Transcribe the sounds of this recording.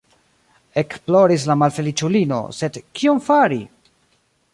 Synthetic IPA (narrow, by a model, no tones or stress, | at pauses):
e̞kplo̞ɾis̬lamalfe̞lit͡ʃulino̞̰se̞dkiomfaɾi